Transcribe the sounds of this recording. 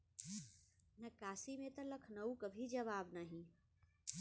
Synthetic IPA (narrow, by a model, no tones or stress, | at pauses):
nɐkaːsimẽt̪ɐlɐkʰnɐukɐbʱid͡ʒɐʋaːbnaːɦĩ